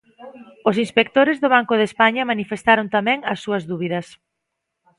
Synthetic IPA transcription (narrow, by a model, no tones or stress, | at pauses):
os̬inspek̚t̪oɾezðoβ̞aŋkʊðespaɲɐmanifest̪aɾont̪amɛ̃ŋɐsːuɐzðuβ̞iðɐs